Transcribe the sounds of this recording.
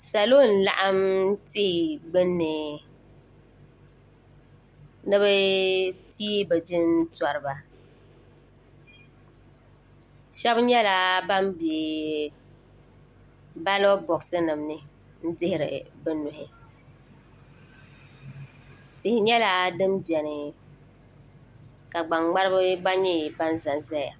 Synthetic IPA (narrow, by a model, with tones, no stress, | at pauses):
sa˨lo˦˨n̩˨la̰˦˨ʔa˦mtɪ˦hɪ˨ɡ͡bɨ˦nːɨ˨ | nɨ˦bɛ˦piː˦bɛ˨d͡ʒɪ˦ntɔ˨ɾɨ˨ba˨ | ʃɛ˦bɲɛ˦la˨ba˦mbi˨ | ba˦lo˦bɔ˨ksɨ˦nɨ˨mnɨ˦ | n̩˦dɪ˦hɪ˨ɾɪ̰˨bɨ˦nʊ˨hɪ˨ | tɪ˨hɪ˨ɲɛ˦la˦dɨ˦mbjɛ˨nɨ˨ | ka˨ɡ͡ba˨ŋɡ͡ba˦ɾɨ˦bɨ˦ɡ͡ba˦ɲi˦˨ba˦n˦za˨nza˦ja˨